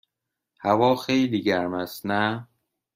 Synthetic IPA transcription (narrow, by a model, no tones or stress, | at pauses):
hævɒːxejliːɟæɾmæst̪næ